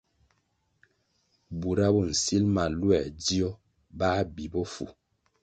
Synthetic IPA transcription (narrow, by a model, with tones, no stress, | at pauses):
bu˨ɾa˦bɔ˦˨n̩˨si˦lma˨lwɛ˨di˦ɔ˦ | ba˦bi˨bɔ˦fṵ˨